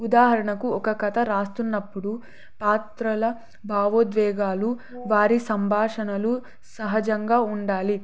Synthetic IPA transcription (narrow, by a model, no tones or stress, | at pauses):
ud̪aːɦɐɾɐɳɐkuɔkɐkɐt̪ʰɐɾaːst̪unːɐpːuɽu | paːt̪ɾɐlɐ | bʱaːʋod̪ʋɛːɡaːlu | ʋaːɾisɐmbʱaːʂɐnɐlu | sɐɦɐd͡ʒɐŋɡaːuɳɖaːli